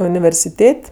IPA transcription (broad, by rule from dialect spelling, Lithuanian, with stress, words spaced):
ʊnʲɪʋʲɛrʲsʲɪˈtʲeːtʲ